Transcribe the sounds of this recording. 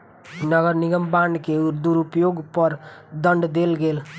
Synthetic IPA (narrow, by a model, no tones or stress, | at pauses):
nəɡəɾniɡəmbãɳɖkeuɾd̪uɾupjoɡpəɾd̪əɳɖd̪elɡeːl